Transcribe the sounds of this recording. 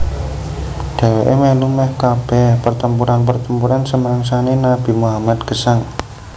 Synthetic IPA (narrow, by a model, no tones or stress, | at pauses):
d̥e̤weʔemelumɛhkab̥ɛpərt̪əmpuɾanpərt̪əmpuɾansəməɾaŋs̬anenab̥i̤muɦamat̪̚ɡ̥əsaŋ